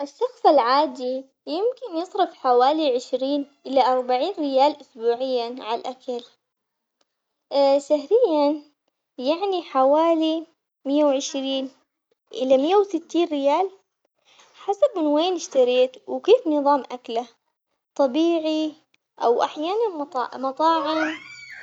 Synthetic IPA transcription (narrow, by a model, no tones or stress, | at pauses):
ʔɪʃːɑxsˤɪlʕaːd̪i | jɪmkɪnjɨsˤɾɪfħawaːliʕɪʃɾiːnʔɪlaʔɑɾˤbaʕiːnɾɪjaːlʔʊsbuːʕɪjːaʕalʔakal | ʃaɦɾɪjːan | jaʕniħawaːli | mɪjːawʕɪʃɾiːn | ʔɪ̰lamɪjːawsɪt̪ːiːnrɪjaːl | ħasab̚mɪnweːnɪʃt̪aɾeːt̪wkeːfnɨðˤɑːmʔakla | t̪ˤɑbiːʕi | ʔawʔa̰ħjaːnanˤmɑt̪ˤɑːʕan